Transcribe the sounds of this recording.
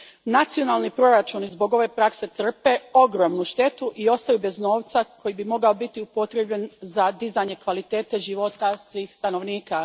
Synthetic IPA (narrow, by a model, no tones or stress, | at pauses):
nat̪sijo̞nalˠnipɾo̞ɾat͡ʃunizbo̞ɡo̞ʋe̞pɾakse̞t̪r̩pe̞o̞ɡɾo̞ːmnuʃt̪e̞t̪uʔio̞st̪ajube̞zno̞ːʋt̪sakʰo̞jibimo̞ɡaobit̪iupo̞t̪ɾe̞bʎenzad̪izaɲe̞kʋalit̪eːt̪e̞ʒiʋo̞t̪asʋiːxst̪ano̞ʋniːka